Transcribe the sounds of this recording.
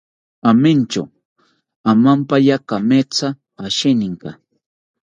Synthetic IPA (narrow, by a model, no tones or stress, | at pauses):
amɪnt͡ʃa̰ | amampajakamet͡sa | aʃɪnɪŋka